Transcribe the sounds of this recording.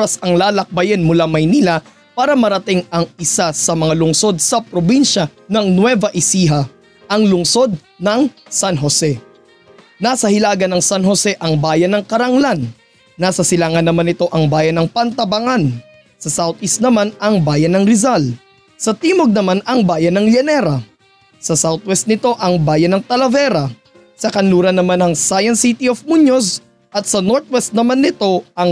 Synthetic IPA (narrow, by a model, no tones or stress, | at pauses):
oɾɐsɐŋlaːlɐk̚bɐjɛnmʊlamɐjnila | paːɾɐmɐɾɐt̪ɪŋɐŋɪsasɐmɐŋalʊŋso̞d̪̚sɐpɾobinʃɐ | nɐŋnwɛvɐʔɪsiːɦɐ | ʔɐŋlʊŋso̞d̪̚ | nɐŋ | sanɦosɛ | naːsɐhɪlaːɡɐnɐŋsɐnɦo̞sɛʔɐŋbaːjɐnɐŋkɐɾɐŋlanː | asɐsɪlaːŋɐnːɐmanɪt̪o̞ʔɐŋbaːjɐnɐŋpɐnt̪ɐbɐŋan | sɐsawt̪̚ʔist̪̚nɐmanɐŋbaːjɐnːɐŋɾɪzal | sɐt̪iːmoɡ̚nɐmanɐŋbaːjɐnːɐŋlɐnɛɾɐ | sɐsawt̪̚wɛst̪̚nɪt̪o̞ʔɐŋbaːjɐnɐŋt̪ɐlɐvɛɾɐ | sɐkɐnluːɾɐnːɐmanɐŋsaːjɐnsit̪iofmuɲos | ʔɐt̪̚sɐnoɹt̪̚wɛst̪̚nɐmanːɪt̪o̞ʔɐŋ